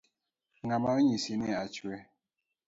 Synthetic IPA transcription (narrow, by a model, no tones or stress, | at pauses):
ŋamaɲisinɛat͡ʃwɛ